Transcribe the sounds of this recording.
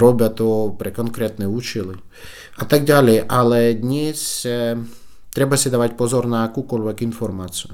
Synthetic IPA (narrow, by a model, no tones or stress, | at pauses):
ɾɔbʲɐt̪ɔpɾɛkɔnkɾɛt̪nɛut͡ʃɪlˠɪ | ɐt̪aɡ̚d̪alʲɛjɛʔalˠɛd̪ʲnʲisʲ | t̪ɾɛbɐsʲɛd̪ɐʋatʲpɔzɔrnɐɐkukɔlʲʋɛkinfɔrmat͡s̪ʲɨjʊ